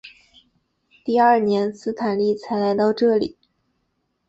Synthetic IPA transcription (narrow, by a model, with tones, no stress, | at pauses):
t̪i˥˧ɐ˞˥˩njɛ˧˥nsɹ̩˥t̪ʰa˨˩nli˥˩t͡sʰa˧˥ɪla˧˥ɪt̪ɑ˥˧ʊʈ͡ʂɤ˥˩lḭ˨˩˦